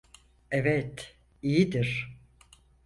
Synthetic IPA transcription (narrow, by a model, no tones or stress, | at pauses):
evɛt̪ | ijid̪iɾ̥